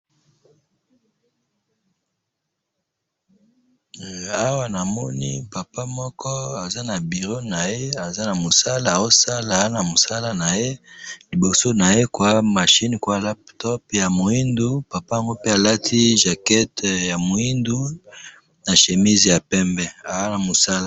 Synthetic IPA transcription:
a˦wa˨na˨mɔ˦nḭ˦pa˨pa˦mɔ˦kʰɔ˦a˨za˦na˨bi˨ʁo˦na˨je˦a˨za˦na˨mo˨sa˦la˨o˦sa˦la˨˦na˨mo˨sa˦la˨na˨je˦li˨bo˨so˦na˨je˦kwa˦ma˨ʃi˦ni˨kwa˦˨la˦ptɔ˦pja˨mo˨i˦ndu˦pa˨pa˦ja˨ŋɡo˦pe˦a˨la˦tʰi˦ʒa˨kɛ˦tja˨mo˨i˦ndu˦ | na˨ʃe˨mi˦zi˨ja˨pɛ˦mbɛ˦a˨a˦na˨mo˨sa˦la˦˨

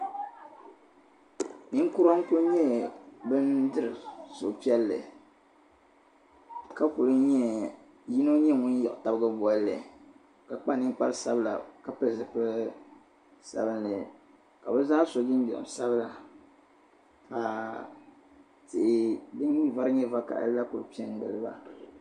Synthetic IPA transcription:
nɨ˦ŋ˦ku˦ɾa˦ŋ˦ku˦ɲɛ˦bɨ˦ndɨ˦ɾɨ˨so˨pi˦ɛ˦lːɨ̰˨ | ka˦ku˨lɨ˦ɲɛ˦ | ji˦no˦ɲi˦˨ŋʊ˦n˦jɛ̰˨ʔʊ˨ta˦bɡa˦blːɨ̰˨ | ka˨k͡pa˦nɨ˦ŋ˦k͡pa˦ɾsa˦bɨ˦la̰˨ka˨pɨ˨zɨ˦pɨ˦ | sa̰˨bɨ˦nlɨ˨ | ka˨bɛ˦zaː˦so˨ɡɪ˦n˦d͡ʒɛ̰˨sa˦bɨ˦la˨ | ka˨ | tɪ˨ʔɪ˨dɨ˦n˦va˦ɾɨ˦ɲɛ˦va˦ka̰˨ʔla˦ku˨ɨ˨pi˦ɛ˦n˦dɨ̰˨lɨ˦ba̰˨

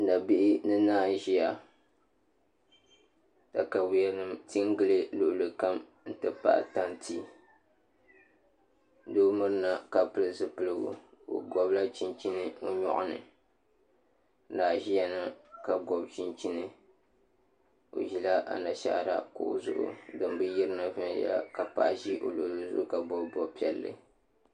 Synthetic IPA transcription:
n̩˨da˨bi˦ʔɪ˦nɨ˦naː˦ʒi˦ja˨ | ta˨ka˨wi˦ja˦nɨ˦mti˦ŋ˦ɡɨ˦lɨ˦lʊ˨ʔʊ˨lɨ˨ka˦m | n̩˦tɨ˦pa̰˦ʔta˦ntʰi˦ | doː˦mɨ˦ɾɨ˦na˦ka˨pɨ˨lɨ˨zɨ˦pɨ˦lɨ˦bṵ˨o̰˨ɡɔ˨bla˦t͡ʃi˦nt͡ʃi˦nɨ˦o˦ɲɔ̰˦ʔʊ̰˦nɨ̰˨˦ | daː˨ʒi˦jɛ˦na˦ka˨ɡɔ˨bt͡ʃi˦nt͡ʃi˦nɨ˦ | o̰˨ʒi˦la˦ʔa̰˨na˨ʃa̰˦ʔɾa̰˦kʊ̰˨ʔo˦zʊ̰˦ʔʊ̰˦dɨ˨mbɨ˦ji˦ɾɨ˦na˦vɨ˦n˦ja̰˦ka˨pa̰˦˨ʔʒi˦ʔo̰˨lo˨ʔlɨ˨zʊ̰˦ʔʊ˦ka˨bɔ˦bbɔ˦pi˦ɛ˨lːɨ̰˦

